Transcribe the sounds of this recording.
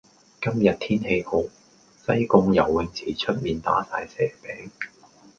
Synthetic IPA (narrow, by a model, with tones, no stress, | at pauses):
kɐ˥mjɐ˨t̚t̪ʰiː˥nhe˧jho˨˧˥w | sɐ˥jkʊ˧ŋjɐ˨˩wːɪ˨ŋt͡sʰiː˨˩t͡ʃʰɵ˥t̚miː˨nt̪a̰ː˨˥sa̰ː˧jsɛː˨˩pɛː˨˥ŋ